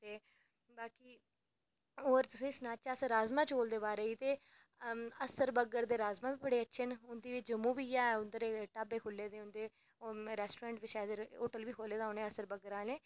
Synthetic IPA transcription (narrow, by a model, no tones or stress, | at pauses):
t̪eː | baːkiː | oːɾt̪ʊsĩːsnaːt͡ʃaːsəɾaːzmãːt͡ʃoːld̪eːbaːɾeːiːt̪eː | əsəɾbəɡəɾd̪eːɾaːzmaːbiːbəɽeːətːʃʰenʊnd̪iːit͡ʃd͡ʒəmːũːbiːaːɛʊnd̪əɾeːʈaːbeːkʰʊlːeːd̪eːʊnd̪eː | ɾɛːsʈoːɾãːɳʈʋiʃaːəd̪oːʈəlʋiːkʰoːleːd̪aːonẽːəsəɾbəɡəɾãːlẽː